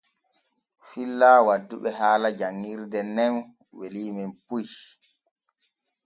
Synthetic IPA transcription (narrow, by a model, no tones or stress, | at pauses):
filːaːwadːuɓɛɦaːlad͡ʒaŋːiɾdɛnɛn | weliːmimpuj